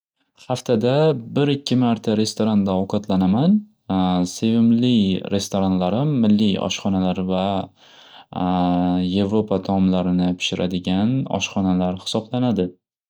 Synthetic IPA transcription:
χaft̪ʰad̪abɪɾɪkʲʰːɪmaɾt̪ʰaɾe̞st̪oɾand̪aɒwqʰɒt̪lanaman | se̞vɪmlɪjɾe̞st̪ʰoɾanlaɾɪmːɪlːɪjɒ̰ʃχɒnalaɾva | je̞vɾopʰat̪ʰɒmlaɾɪnɪpʰɪ̥ʃɪɾʔad̪ɪɡʲanɒ̰ʃχɒnalaɾhɪ̥sɒblanad̪ɪ

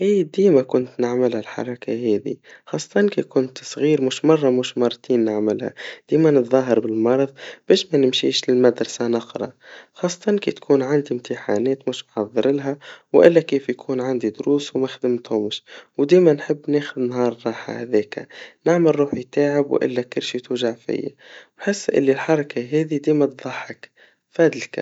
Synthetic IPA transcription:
ʔeːd̪iːmakʊnt̪nɪʕmɪlhalħɑ̰ɾˤɑkʰaɦeːðḭxɑːsˤːɑ̥t̪ˤɑnkḛkʊnt̪sˤɣiːɾmʊʃmɑrˤːɑmʊʃmɑɾˤt̪iːnːɪʕmɪlha̰d̪̥iːmanɨt̪ðˤɑɦɑɾˤbɪlmɑɾˤɑðˤb̥eːʃmanɪmʃḭːʃlɪlmad̪ɾˤɑsanɑqɾˤɑ̰xɑːsˤːɑ̥t̪ˤɑnkḛːt̪kʰuːnʕand̪imt̪ɪħa̰ːneːt̪mʊʃnħɑðˤːɨɾɪlɦawʔɪlːakeːfjakʰuːnʕand̪id̪ʊɾuːswmaxd̪ɪmt̪hʊmɪʃwd̪iːmanħɪbːneːxʊd̪nɦɑːɾˤɾˤɑːħa̰ha̰ðeːka̰nɪʕmalɾˤuːħjt̪aːʕɪbw̰ʔɪ̰lːakɪɾʃit̪uːʒaʕfɪ̰jːa̰bħɪsːʔɪ̰lːilħɑɾˤɑkaɦeːd̪id̪iːmat̪ðˤɑħːɪk | faːd̪ɪlka̰

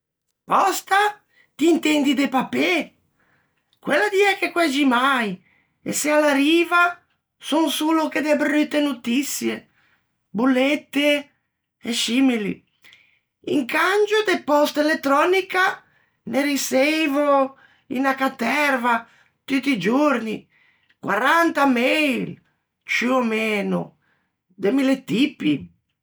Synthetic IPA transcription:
pɔst̪a | t̪iːnt̪ɛnd̪id̪epape | kwelːad̪iɛkekwɛd͡ʒimaj | ḛsealːaɾiːva | sunsuloked̪eabrit̪ːenut̪isːje | bulːet̪ːe | ɛsimilḭ | ḭŋkand͡ʒod̪epɔst̪elet̪ːɾɔnika | neɾisejvo | ḭnakat̪ːɛɾva | t̪ut̪ːid͡ʒuɾnḭ | kwa̰ɾant̪amejl | t͡ʃiomeːnʊ̰ | d̪emilet̪ipːi

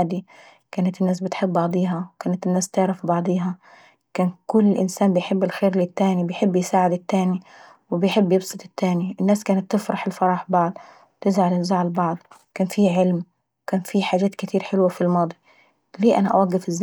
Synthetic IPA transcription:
aːd̪i | kaːnat̪ɪnːaːsbɪt̪ħɪbːɑʕd̪ˤiːɦɑwkaːnat̪ɪnːaːst̪ɪʕɾɑfbɑʕd̪ˤiːɦɑ | kaːnkʊlːʔɪ̰nsaːnbɪjħɪbːɪlxeːɾlit̪ːaːnibɪjħɪbːjsaːʕɪd̪ɪt̪ːaːni | wɪbɪjħɪbːjɪbsˤɨt̪ˤɪt̪ːaːniʔɪnːaːskaːnat̪ːɪfɾˤɑħɪlfɑɾˤɑːħbɑʕd̪ˤ | wt̪ɪzʕalɪzaʕalbɑʕd̪ˤkaːnfiʕɪlm | kaːnfiħaːʒaːt̪kɪt̪ʰiːɾħɪlwafilmɑːd̪ˤi | liːʔana̰ʔa̰waɡːɪfɪzː

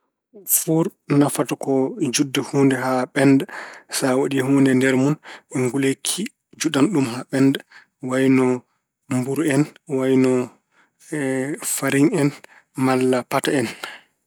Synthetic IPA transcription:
fuɾnafatɔkɔd͡ʒudːahuːndɛɦaɓɛndasawaɗihuːndɛndɛɾmunɛŋɡulekʰi | d͡ʒuɗanɗumɦaɓɛnda | wajnɔ | mbuɾɛnwajnɔ | faɾiŋɛn | malːapataɛn

